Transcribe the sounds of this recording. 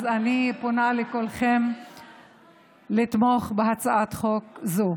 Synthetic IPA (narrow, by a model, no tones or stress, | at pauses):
zaniponalekolχem | lit̪moχbehat͡saat̪χokzo